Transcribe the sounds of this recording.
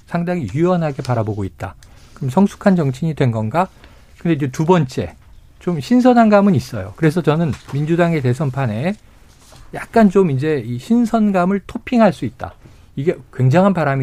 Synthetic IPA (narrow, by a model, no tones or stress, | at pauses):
sʰaŋdaŋijuʌnɦaɡe̞paɾaboɡoit̚t͈a̰ | kɯɾʌmsʰʌŋsʰu̥kʰand͡ʑʌŋt͡ɕʰiɲidwe̞nɡʌnɡa | kɯndeind͡ʑetubʌnt͡ɕ͈e̞ | t͡ɕomɕʰinsʰʌnɦanɡamɯnis͈ʌ̰jo̰kɯɾe̞sʰʌt͡ɕʌnɯnmind͡ʑudaŋe̞te̞sʰʌnpʰane̞ | jak̚k͈ant͡ɕomind͡ʑe̞iɕʰinsʰʌnɡamɯɭtʰopʰiŋɦaɭs͈uit̚t͈a̰ | iɡe̞kwe̞ŋd͡ʑaŋɦanpaɾami